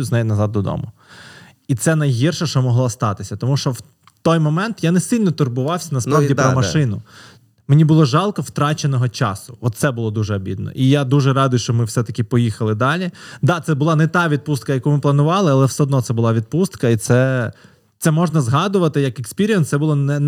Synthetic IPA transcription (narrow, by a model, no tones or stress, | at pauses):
znɛjnɐzɑd̪̚ːɔd̪ɔ̰mʊ | it̪sɛnɐjɦirʃɛʃt͡ʃɔmɔɦlˠɔst̪ɑt̪ɪsʲɐt̪ɔmuʃt͡ʃɔw | t̪ɔjmɔmɛnt̪janɛsilʲnɔt̪ʊrbʊʋɑwsʲɐnɐsp̪ɾadʲip̪ɾɔmɐʃɪnʊ | menʲibʊlˠɔʒɑlˠkɔwt̪ɾɑt͡ʃenɔɦɔt͡ʃɑsʊɔt̪sɛbʊlˠɔd̪uʒɛɔbʲḭd̪nɔ̰ʔijad̪uʒɛɾɑd̪ʊjʊʃt͡ʃɔmɪwsɛt̪ɐkʲɪpɔjixɐlˠɪd̪ɑlʲid̪ɑt̪sɛbʊlˠɑnɛt̪ɑʋʲid̪̚pust̪kɐjɐkumɪplˠɐnʊʋɑlˠɪɐlˠɛwsɛɔd̪nɔt̪sɛbʊlˠɑʋʲid̪̚pust̪kɐit̪sɛ | t̪sɛmɔʒnɐzɦɑd̪ʊʋɐt̪ɪjɐkekspʲiɾʲijɛnt̪sɛbʊlˠɔnɛ